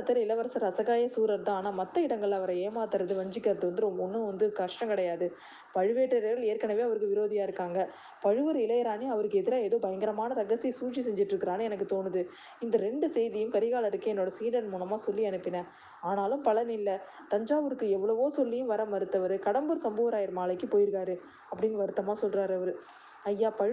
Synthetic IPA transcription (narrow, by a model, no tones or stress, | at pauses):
t̪ːɐɾɐɪlɐʋɐɾɐsɐɾɐsɐɣaːjɐsuːɾɐɾt̪ãːaːnaːmɐt̪ːɐɪɽɐŋɡɐɭɐʋɐɾɐeːmaːt̪ːɐɾɐðɯʋɐɲd͡ʒɪkːɐɾɐðɯʋɐnd̪ɯɾɔmɔnːɯʋɐnd̪ɯkɐʂʈɐ̃ŋkɐɽɐjaːðɯ | pɐɻɯʋeːʈːɐɾɣɐɭeːɾkɐnɐʋeːɐʋɐɾɯkːɯʋɪɾoːðɪjaːɪɾɯkːaːŋɡɐ | pɐɻɯʋɯɾɪlɐjɐɾaːniɐʋɐɾɯkːɯɛðɪɾaːeːðoːbɐjɐŋɡɐɾɐmaːnɐɾɐɣɐsisuːt͡ʃːisɛɲd͡ʒɪʈːɯɾɯkːɪɾaːnɯɛnɐk̬ːɯt̪oːnɯðɯ | ɪnd̪ɐɾɛɳɖɯsɛjðɪjɯmkɐɾɪɣaːlɐɾɯkːɯɛnːoːɽɐsiːɽɐnmuːnɐmaːsɔlːiɐnɯpːɪnɐ | aːnaːlɯmpɐlɐnɪlːɐ | t̪ɐɲd͡ʒaːʋɯɾɯkːɯɛʋːɐɭɐʋoːsɔlːijɯ̃mʋɐɾɐmɐɾɯt̪ːɐʋɐɾɯkɐɽɐmbɯɾsɐmboːʋɐɾaːjɪɾmaːlɐɪkːɯpoːjɪɾɯkaːɾɯ | ɐpːɐɽɪnɐʋɐɾɯt̪ːɐmaːsɔlɾaːɾɐʋɐɾɯ | ɐjːaːpɐɻ